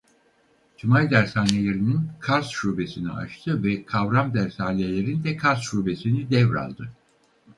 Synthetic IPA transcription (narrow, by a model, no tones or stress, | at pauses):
t͡ʃʰimajd̪æɾsaːnʲelʲe̞ɾininkʰaɾzʃuːbe̞sinḭa̰t͡ʃt̪ʰɯvɛkʰavɾamd̪æɾsaːnelʲe̞ɾind̪ɛkʰaɾzʃuːbe̞sinid̪ɛvɾa̰lˠd̪ɯ